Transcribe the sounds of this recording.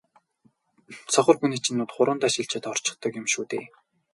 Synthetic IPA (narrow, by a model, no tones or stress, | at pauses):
sɔχɞ̆rxuniːt͡ɕɪ̆nːʊːt̪χʊɾʊːnt̪aʃɪ̆ɬt͡ɕet̪ɔr̥t͡ɕɪ̆χt̪ɞ̆kɪmʃuːt̪eː